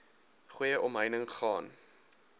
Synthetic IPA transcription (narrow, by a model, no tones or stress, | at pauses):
χujəʔɔmɦəjnəŋχɑːn